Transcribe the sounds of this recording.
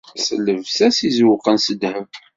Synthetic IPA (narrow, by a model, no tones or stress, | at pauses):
sələvsæsizwqənsəd̪həv